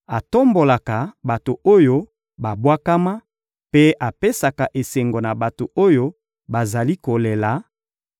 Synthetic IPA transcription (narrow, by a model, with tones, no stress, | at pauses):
a˨to˦mbo˨la˨ka˨ba˨to˨o˦jo˦ | ba˨bwa˦ka˦ma˦ | pe˦ʔa˨pe˦sa˨ka˨ʔe˨se˨ŋɡo˨na˨ba˨to˨o˦jo˦ | ba˨za˨li˦ko˨le˨la˨˦